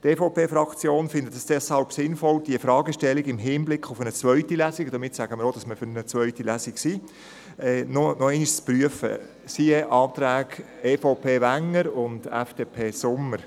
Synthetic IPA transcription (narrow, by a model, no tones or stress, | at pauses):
tefoʊpeːfɾɑkt͡sjoːnfɪndətd̥ɑsd̥ɛshɑlbsɪnfɔld̥iəfɾɑːɡəʃtɛlːiɡɪmɦɪːnblɪkχʊfənət͡sʋœʏtilæsiɡd̥̪əmɪtsæɡəməɾodɑsməfʏɾənət͡sʋœʏtilæsiksi | ɛːnonɔɛɪniʃt͡spɾyəfə̰ | siəʔɑːtɾæːɡ | eːfoʊpʰeːvæŋəɾʊndɛ̰fd̥eːpʰeːsʊməɾ